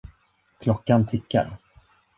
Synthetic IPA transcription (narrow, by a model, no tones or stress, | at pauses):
kʰlɔkːant̪ʰɪkːa̰ɾ